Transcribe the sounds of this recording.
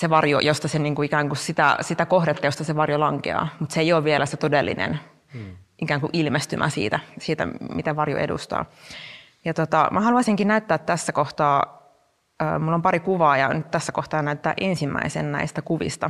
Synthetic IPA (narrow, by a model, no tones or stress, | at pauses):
seʋɑrjo̰jost̪ɑseniːŋkuikæːŋkussit̪æ̰sit̪ækohdet̪ːɑjost̪ɑseʋɑrjolɑŋkḛɑ̰ːmut̪seijoːʋʋielæset̪odelːḭnḛn | ʔikæːŋkuʔilmest̪ymʔæ̰sḭːt̪æsiːt̪æ̰mit̪æʋɑrjo̰ʔḛdṵst̪ɑ̰ː | jɑt̪ot̪ɑ̰mʔæhɑluɑsiŋkinæyt̪ːæːt̪ːæsːækoht̪ɑː | ə̰ːmulːompɑɾikuʋɑːjɑnyt̪t̪æsːækoht̪ɑːnæyt̪ːæːʔensimːæ̰isḛnnæ̰ist̪ækuʋḭst̪ɑ̰